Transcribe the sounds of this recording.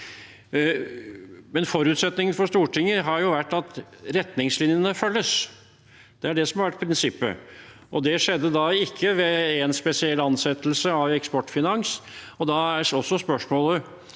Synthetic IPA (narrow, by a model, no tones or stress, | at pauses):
mɛnfɔɾʉːt̪sɛt̪nɪŋənfɔʂt̪uːʈɪŋːəɦɑɾjʊʋæʈːɑt̪ɾɛt̪nɪŋslɪnjənəfœlːəs | d̪̥ɛæɖɛsɔmhɑɾʋæʈ̚ːpʰɾɪnsɪpːə̰ʔɔd̪ɛʂɛd̪ːəd̪ɑɪkʰːəʋɛɛnspɛsɪɛlːɑnsɛt̪lsəɑʋɛkspɔʈːfɪnɑŋs | ɔd̪ɑæɔsːɔspœʂmoːlə